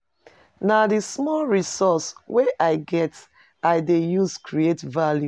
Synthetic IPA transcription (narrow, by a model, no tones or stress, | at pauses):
nadismɔlɹisɔsweʔaɪɡɛt | aɪdejuskʰɹietvalju